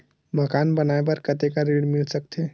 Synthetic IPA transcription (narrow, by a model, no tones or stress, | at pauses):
məkaːnbənaebɐɾkɐt̪ekaɾeːɽmɪlsək̚t̪ʰe